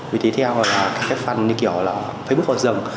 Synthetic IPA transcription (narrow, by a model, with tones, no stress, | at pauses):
vi˨˩t̪ʰe˨˦t̪ʰɛ˧wlaː˨˩kaː˦˥kːaː˦˥k̚fə˨˩nɲɨ˧ŋki˧˩əwlaː˨˩ | faː˧˦ɓu˦˥k̚ʔɔ˧˨˩zə˨˩ŋ